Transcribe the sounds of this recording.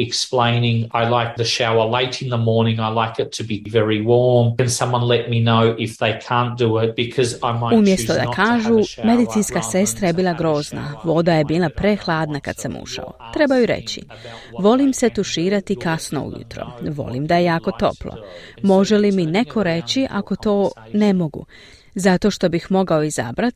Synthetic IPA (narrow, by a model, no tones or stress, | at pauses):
ɛksplẽɪ̃nɪ̃ŋaɪlaɪk̚ðɨʃaʊə˞leɪɾɨ̃nðəmɔɹnɪ̃ŋaɪlaɪkɨtʰɨbivɛɹiwɔɹmɨ̃nsʌ̃mwʌ̃nlɛt̚minoʊʔɪfðeɪkʰæ̃nd̥ɨɪt̚b̥ɨkʰɔzaɪmaumjest̪od̪a̰kʰaːʒume̞d̪it̪sinskase̞st̪ɾaje̞biːlˠaɡɾo̞ːzna̰ʋo̞d̪aje̞biːlˠapɾe̞xlˠaːd̪naka̰d̪samṵʃa̰o̰t̪ɾe̞bajuɾe̞̰t͡ɕḭ | ʋo̞limse̞t̪uʃiːɾat̪ikasno̞̰ṵjṵt̪ɾo̞̰ʋo̞̰lḭmd̪aje̞jaːko̞t̪o̞̰plo̰mo̞ʒe̞limine̞kʰo̞ɾe̞t͡ɕiʔako̞t̪o̞ːne̞mo̞ɡṵ | zat̪o̞ʃt̪o̞bixmo̞ɡaoiza̰bɾat̪